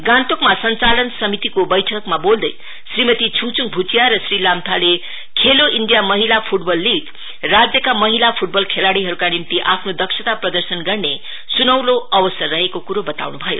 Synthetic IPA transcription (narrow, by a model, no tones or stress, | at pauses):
ɡãnt̪okmasʌnt͡salʌnsʌmit̪ikobʌjʈʰʌkmabold̪ʌj | srimʌt̪it͡sʰuŋt͡suŋ̚bʱut͡sijaɾʌsrilamt̪ʰale | kʰeloʔiɳɖijamʌɦilapʰuʈbʌlːiɡ | rad͡zjʌkamʌɦilapʰuʈ̚bʌlkʰelaɽiɦʌɾukanimt̪iʔapʰnod̪ʌksʌt̪aprʌd̪ʌrsʌnɡʌrne | sunʌwloʔʌbʌsʌrːʌɦekokuɾobʌt̪a̰wnubʱʌjo̰